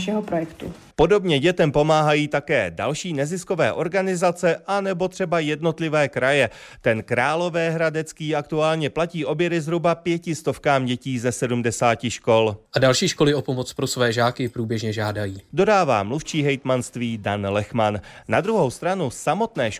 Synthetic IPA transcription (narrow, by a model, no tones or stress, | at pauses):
ʃɛɦopɾojɛkt̪u | po̞do̞bɲɛɟɛt̪ɛmpo̞maːɦajiːt̪akɛ̰ːda̰lʃiːnɛzɪsko̞vɛ̰ːʔo̞ɾɡanɪzat͡sɛʔanɛbo̞t̪r̝̥ɛbajɛdno̞t̪lɪvɛːkɾajɛt̪ɛnkɾaːlo̞vɛːɦɾadɛt͡skiːak̚t̪uaːlɲɛplaciːʔo̞bjɛɾɪzɦɾubapjɛcɪst̪ofkaːmɟɛciːzɛsɛdumdɛsaːcɪʃko̞lʔadalʃiːʃko̞lɪʔo̞po̞mot͡spɾosvɛːʒaːkɪpɾuːbjɛʒɲɛʒaːdajiːdo̞daːva̰ːmluft͡ʃiːɦɛjt̪manst̪viːdanlɛxmanːad̪ɾuɦo̞wst̪ɾanusamo̞t̪nɛːʃ